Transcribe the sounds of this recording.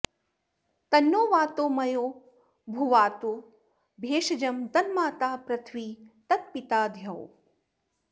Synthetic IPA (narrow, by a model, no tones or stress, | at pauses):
t̪ɐnːoːʋaːt̪oːmɐjoː | bʱuʋaːt̪o | bʱeːʃɐd͡ʒɐmt̪ɐnmaːt̪aːpɾɐt̪ʰʋiːt̪ɐt̪̚pit̪aːd̪ʱjɐw